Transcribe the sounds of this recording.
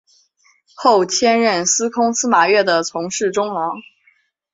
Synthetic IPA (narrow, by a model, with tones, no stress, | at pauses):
xo˥˩ʊt͡ɕʰjɛ˥nɻə˥˩nsɹ̩˥kʰʊ˥ŋsɹ̩˥ma˨˩ɥɛ˥˩d̪ə˩t͡sʰʊ˧˥ŋʂɻ̩˥˩ʈ͡ʂʊ˥ŋlɑ˧˥ŋ